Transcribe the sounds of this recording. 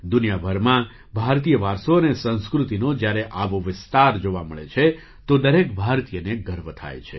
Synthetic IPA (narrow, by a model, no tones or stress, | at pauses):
d̪ʊnijabʱəɾmã | bʱaɾt̪ijəʋaɾsoənesə̃nskɾut̪inod͡ʒjaɾeʔaʋoʋɪst̪aɾd͡ʒoʋaməɭḛt͡ʃʰe | t̪od̪əɾekbʱaɾt̪ijəneɡəɾʋət̪ʰa̰jt͡ʃʰḛ